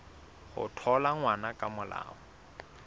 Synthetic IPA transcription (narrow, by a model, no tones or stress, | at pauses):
hʊ̰tʰɔlaŋwanakʼamʊla̰ːŋɔ